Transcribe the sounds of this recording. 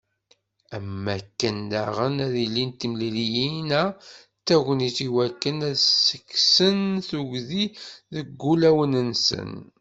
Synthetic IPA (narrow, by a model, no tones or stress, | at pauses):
æmːækːənd̪æʁənæðilːint̪ːimlilijinæ | t̪ːæɣʷəniθiwækːənæðsəkːsənθuʝðiðəɡːulæwənənsə̰n